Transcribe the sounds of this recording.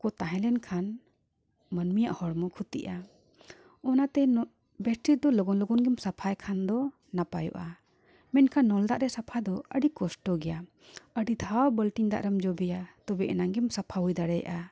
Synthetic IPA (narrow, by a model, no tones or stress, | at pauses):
kɔt̪aɦɛ̃lɛnkʰan | mənmijaʔhɔɽmɔkʰut̪ḭʔa | ɔnat̪ɛn | bɛsʈiɾ̚d̪ɔlɔɡɔnlɔɡɔnɡɛmsapʰajkʰand̪ɔ | napajṵʔa | mɛnkʰanːɔld̪aʔɾɛsapʰad̪ɔəɖikɔsʈɔɡɛja | əɖid̪ʱawbəlʈiɲd̪a̰ʔɾəmd͡ʒɔbɛjat̪ɔbɛʔɛnaŋɡɛmsapʰaɦujd̪aɽɛja̰ʔa